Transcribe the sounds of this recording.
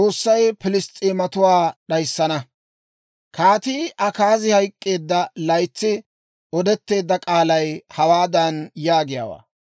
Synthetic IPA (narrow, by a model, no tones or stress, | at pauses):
t͡sʼo̞ːsːɐjpɪlɪst̪ʼiːmɐt̪ʊwaːɗɐjsːɐnɐ | kʰaːt̪iʔɐkaːzɪhɐjkʼːe̞ːd̪ːɐlɐjt͡sːɪ | ɔd̪ɛt̪ːe̞ːd̪ːɐkʼaːlɐjhɐwaːd̪ɐnjaːɡɪja̰ːwa̰ː